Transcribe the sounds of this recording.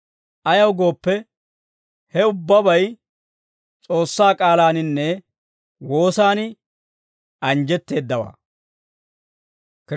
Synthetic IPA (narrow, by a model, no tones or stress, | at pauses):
ʔɐjɐwɡo̞ːpːɛ | hɛʊbːɐbɐj | t͡sʼo̞ːsːaːkʼaːlaːnɪnːɛ | wo̞ːsaːnɪ | ʔɐnd͡ʒɛt̪ːe̞ːd̪ːɐwa̰ː | k